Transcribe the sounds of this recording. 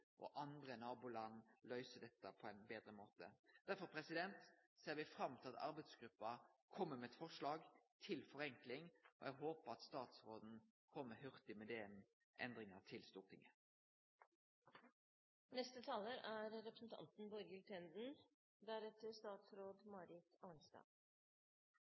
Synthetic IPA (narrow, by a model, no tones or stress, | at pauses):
ʔɔ̰ʔɑnd̪ɾənɑːbuːlɑnlœʏsəd̪ɛt̪ːəpʰɔæɪnbeːd̪ɾəmoːt̪ə̰d̪̥æɾfɔɾpʰɾɛsɪd̪ɛnt̪seːʁɾʋɪfɾɑmt̪ʰɪlɑt̪ɑ̰ɾbɛɪd̪sɡ̥ɾʉpːɑkʰɔmːəmɛːɛt̪fɔʁʂɭɑːɡt̪ʰɪlfɔɾɛŋklɪŋɔ̰jæɡɦoːpəɾɑt̪st̪ɑːt̪sɾoːd̪n̩ | kʰɔmːəhœʁt̪ɪmɛd̪eːn | ʔɛ̰nd̪ɾɪŋət̪ʰɪlst̪uːʁt̪ʰɪŋə | nɛst̪ət̪ʰɑːləɾæɾɾɛpɾəsn̩t̪ʰɑ̰nt̪n̩bɔɾɡəlt̪ʰɛnd̪n̩ | d̪æɾɛt̪əst̪ɑːt̪sɾoːd̪mɑːɾɪkɑːnst̪ɑ̰ː